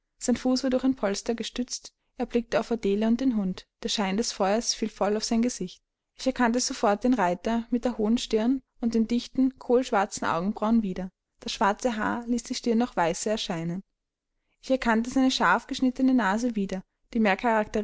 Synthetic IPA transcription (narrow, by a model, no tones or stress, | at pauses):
z̥aɪnfuːsv̥aːɐdʊɐçxaɪnpʰɔlstɐɡəʃtʏt͡st | ʔeːɐb̥lɪk̚təaʊfadeːləʊnt̚d̥eːnɦʊntd̥eːɐʃaɪndɛsfɔʏɐsfiːlfɔlaʊfz̥aɪnɡəz̥ɪçt̚ | ʔɪçɛɐkʰantəz̥ofɔɐt̚d̥eːnʁaɪtɐmɪt̚d̥eːɐhoːənʃtɪɐn | ʊnt̚d̥eːmndɪçtn̩kʰoːlʃv̥aɐt͡sn̩ʔa̰ʊɡŋ̩bʁaʊnviːdɐ | d̥asʃv̥aɐt͡səɦa̰ːɐliːsd̥iːʃtɪɐnːɔxv̥aɪsəɛɐʃaɪnən | ʔɪçɛɐkʰantəzaɪnəʃaɐfɡ̥əʃnɪtənənaːzəviːdɐ | d̥iːmeːɐkʰaʁaktə